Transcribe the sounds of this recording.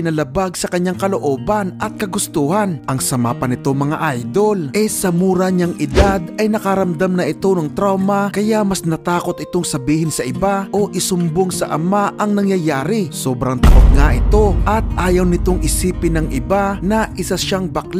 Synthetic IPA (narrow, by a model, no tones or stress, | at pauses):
ɪnɐlɐbaɡ̚sɐkɐɲaŋkɐloʔo̞ːbɐnʔɐt̪̚kɐɡʊst̪uhanʔɐŋsɐma̰ːpɐnɪt̪o̞ŋmɐŋaʔajd̪o̞lʔɛsɐmuːɾɐɲaŋʔɪd̪ad̪ɐjnɐkɐɾɐmd̪amnɐʔɪt̪o̞nɐŋt̪ɾawmɐkɐjaʔmɐsnɐt̪aːko̞t̪ɪt̪o̞ŋsɐbiːhɪnsɐʔɪbaʔo̞ʔɪsʊmboŋsɐʔɐmaʔɐŋnɐŋjɐjaːɾɪsoːbɾɐŋt̪ɐ̰ʔoɡ̪̚ŋaʔɪt̪o̞ʔɐt̪̚ʔaːjɐwnɪt̪oŋɪsiːpɪnɐŋʔɪbanɐʔɪsaʃaŋbakl